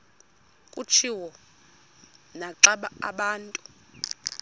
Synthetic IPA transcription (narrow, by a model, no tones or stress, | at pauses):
kʼut͡ʃʰiwɔ | naǁaɓaaɓaːntʼu